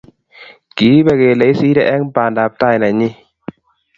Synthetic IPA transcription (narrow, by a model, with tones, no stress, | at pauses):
ki˨˦bɛ˨˧˨ke˨le˨˦jsiː˦ɾɛ˧˨ʔɛ˦ŋpaː˨nda˨p̚ta˦˧˨jla˨ɲi˦